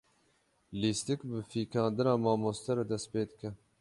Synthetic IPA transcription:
liːst̪ikbɨfiːkɑːnd̪ɨnɑːmɑːmoːst̪ɛɾɛd̪ɛst̪peːd̪ɨkɛ

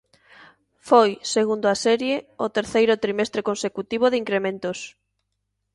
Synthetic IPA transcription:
fojseɣ̞und̪oasɛɾjeot̪eɾθejɾʊt̪ɾimest̪ɾekonsekut̪iβ̞oðiŋkɾemẽnt̪os

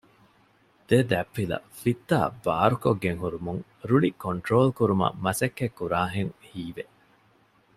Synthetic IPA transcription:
d̪̥ed̪æpːilɐ̰fit̪ːa̰ːba̰ːɾukoɡːeŋɦuɾumuŋ | ɾuɭikoɳʈɾoːlkuɾumɐ̰mɐsɐkːekːuɾaːɦeŋhiːʋe

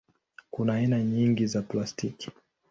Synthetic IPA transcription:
kunaːinaɲiŋɡizaplastiki̥

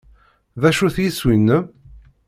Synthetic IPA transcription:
ðæʃuθjiswinːə

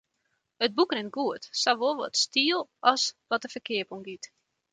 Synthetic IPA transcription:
əd̚bukrɪnɡuətsaʋolˠʋɔ̰tstiəlˠʔɔsʋɔt̚əfəkɪəpoŋɡit

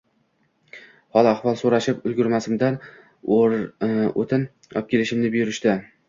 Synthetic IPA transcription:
hɒlˠaχvɒlˠsoɾaʃɪpʊlˠɡʲʊɾmasɪmd̪an | o̰t̪ʰɪn | ɒ̰p̚kʲelɪʃɪmnɪbɪjʊɾɪʃt̪ɪ

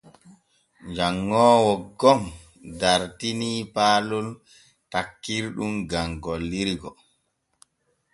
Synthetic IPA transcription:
ɲd͡ʒaŋːɔːwɔɡɔm | daɾtinipaːlul | takːiɾɗumɡaŋɡɔlːiɾɡɔ

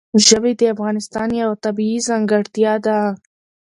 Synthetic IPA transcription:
ʒəbed̪eafɣɑnɪst̪ɑnjawat̪abiizaŋɡaɽt̪ijɑd̪a

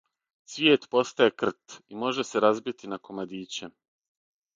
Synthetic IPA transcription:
sʋjeːt̪po̞st̪ajekr̩t̪imo̞ʒese̞ɾazbit̪inako̞mad̪iːt͡ɕe

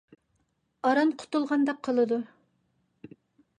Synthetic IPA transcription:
ɑɾɑnqʰʊ̥t̪ulˠʁɑnd̪ɑqʰːəlˠɨd̪u

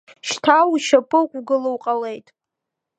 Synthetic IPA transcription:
ʃtʰawuʃapʰʼɨkʷʼwɡɨlowqʼale̞jtʼ

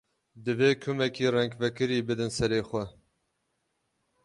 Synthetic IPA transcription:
d̪ɨveːkʰumɛkiːrɛŋkvɛkɨɾiːbɨd̪ɨnsɛɾeːxʷɛ

